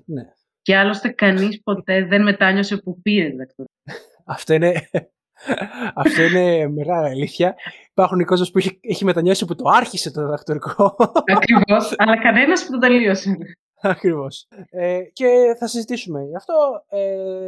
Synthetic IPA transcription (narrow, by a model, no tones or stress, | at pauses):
ne | ceɐlo̞st̪e̞kɐnispo̞t̪e̞ðe̞nme̞t̪ɐɲo̞se̞pupiɾet̪iðɐk̚t̪oɾi | ɐft̪o̞ine | ɐft̪oine̞me̞ɣɐliɐliθçɐipɐɾxuniko̞zmospueçeçime̞t̪ɐɲo̞siput̪o̞ɐɾçise̞t̪oðiðɐkt̪o̞ɾikoɐkɾivo̞sɐlɐkɐne̞nɐspðoðeliosen | ɐkɾivo̞sece̞θɐsizit̪isume̞ʝɐft̪oe